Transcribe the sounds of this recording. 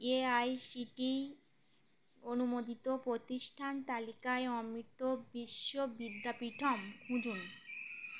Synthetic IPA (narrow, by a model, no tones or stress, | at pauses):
eajsiʈi | onumod̪it̪opɾot̪iʃʈʰant̪alikaeɔmɾit̪obiʃːobid̪ʱːapiʈʰɔmkʰũd͡ʑʱun